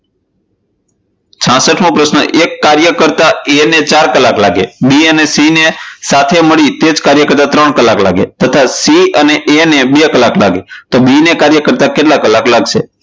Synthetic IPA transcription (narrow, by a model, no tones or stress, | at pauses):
t͡ʃʰãsəʈʰmõpɾəsnə̰ʔekːaɾjəkəɾt̪aenet͡ʃaɾkəlaklaɡḛbiənesinesat̪ʰeməɭit̪ed͡ʒkaɾjəkəɾt̪at̪ɾəɳkəlakla̰ɡḛt̪ət̪ʰasiəneʔenebekəlakla̰ɡet̪obinekaɾjəkəɾt̪akeʈlakəlaklaɡʃʰe